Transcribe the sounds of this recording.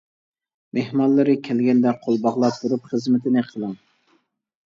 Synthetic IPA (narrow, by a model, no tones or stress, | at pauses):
mehmɑnlːˠɨɾɨkʲʰɛlɡʲɛnd̪ɛqʰolˠbɑʁlˠɑp̚t̪ʰːuɾupχəzmɪt̪ʰɪnɪqʰəlˠɨŋ